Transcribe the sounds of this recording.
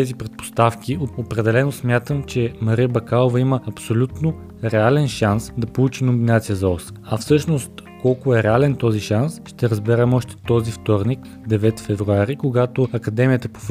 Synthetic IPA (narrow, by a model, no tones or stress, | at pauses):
ɛzipɾɛt̪̚po̥st̪afk̟ʲioopɾɛd̪ɛlɛnosmʲjat̪əmt͡ʃɛmɐɾiəbɐkalˠovɐiməɐpsolʲut̪no | ɾɛalɛnʃansd̪ɐpolˠut͡ʃinombinat̪sijəzɐɔs | ɐfsɤʃnost̪kɔlˠkʊɛɾɛalɛnt̪ɔziʃansʃt̪ɛɾəzbɛɾɛmɔʃt̪ɛ̥t̪ɔzift̪ɔɾnik | d̪ɛvɛt̪fɛvɾuaɾikoɡat̪oɐkɐd̪ɛmʲijət̪əpo̥f